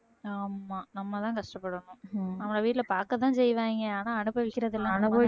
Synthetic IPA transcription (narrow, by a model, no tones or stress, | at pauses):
aːmːaːnɐmːɐt̪ãːkɐʂʈɐpːɐɽɐnʊ̃nɐmːɐɭɐʋiːʈɪlɐpaːɾkɐt̪ãːsɛjʋẽːŋɡɐaːnãːɐnɯpːʋɪkːɪɾɐðɪlːãːɐnɯɐ